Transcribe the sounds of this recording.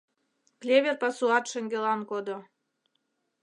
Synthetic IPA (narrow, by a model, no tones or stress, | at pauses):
klʲeβʲerpɑsuɑt̪ʃə̆ŋɡelɑnkod̪o